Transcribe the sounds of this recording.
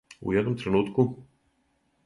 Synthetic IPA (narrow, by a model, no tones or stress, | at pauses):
ṵɛd̪nomt̪ɾɛnut̪ku